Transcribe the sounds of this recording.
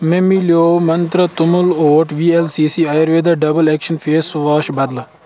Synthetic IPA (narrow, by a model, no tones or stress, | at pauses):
mẽmiljoːmɐnt̪ɾət̪ʊmuloːʈʰʋiːelsiːsiːaːjɾʋeːd̪ɐɖɐbəlɛːkʃənfʰeːsʋaːʃbɐd̪l